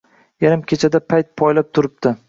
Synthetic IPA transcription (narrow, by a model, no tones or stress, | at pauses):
jaɾɪmkʲʰet͡ʃʰad̪apʰajt̪̚pʰɒjlap̚t̪ʰʊɾɪp̚t̪ɪ